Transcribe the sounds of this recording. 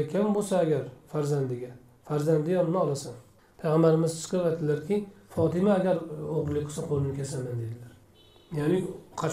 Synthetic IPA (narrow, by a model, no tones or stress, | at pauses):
kʲʰambosaːɡʲaɾfaɾzand̪ɪɡʲa | faɾzand̪ɪjɒɾnɪɒlˠasan | pʰajʁambaɾɪmɪzt͡ʃʰɨ̥qʰɨɾad̪ɪlaɾkʲɪfɒt̪ɪmaːɡʲaɾoʁɾlːˠɪk̚ʲqʰːɨ̥saqʰolˠɪnɪkʰʲasamand̪e̞d̪ɪlaɾ | janɪqʰɑ